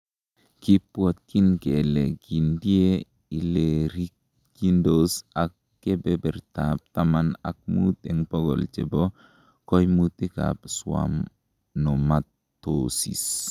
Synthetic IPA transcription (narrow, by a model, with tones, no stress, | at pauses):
ki˦pwo˨t̪̚ki˦nke˨le˨ɡi˨ndi˦e˦ | i˨le˨ɾi˦k̚ | ɡi˦ndosa˨kːe˦bebe˨ɾt̪a˨p̚t̪amana̰˨k̚mu˦t̪e˨ŋpo˦ɡo̰˨lt͡ʃḛ˨bo˦ | ko˦jmut̪i˦ka̰bswa̰m | no˨matː | osḭ˨s